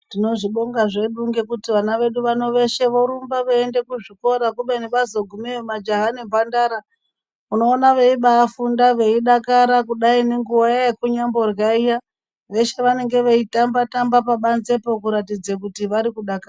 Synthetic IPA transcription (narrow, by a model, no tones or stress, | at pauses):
tino̞ʐiɓo̞ŋɡaʐe̞ɗuŋɡekutiʋanaʋe̞ɗuʋano̞ʋe̞ʃe̞ʋo̞ɾumbaʋoende̞kuʐiko̞ɾakuɓeneɓazoɡʱumemad͡ʒaɦanimbandaːɾa | uno̞ːnaʋeiɓaːfundaʋe̞iɗakaɾakuɗaineŋɡuajajekuɲambo̞rjaija | ʋe̞ʃe̞ʋane̞ŋɡe̞ʋe̞itambatambapaɓanze̞pokuɾatid͡zekutiʋaɾikuɗaka